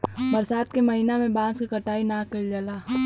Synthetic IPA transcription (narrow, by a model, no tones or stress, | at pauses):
bɐɾsaːt̪̚kemɐɦinamẽbãːskikɐʈaːinãkəid͡ʒəlaː